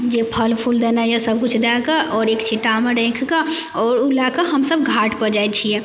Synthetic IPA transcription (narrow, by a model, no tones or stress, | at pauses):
d͡ʒepʰəlpʰuld̪ɛnajasəb̚ʱkut͡ʃʰd̪akaʔɔːɾekt͡ʃʰiʈːameɾɛ̃kʰkaɔːɾulakəɦəmsəbɡʱaʈpəd͡ʒajt͡ʃʰijɛ̃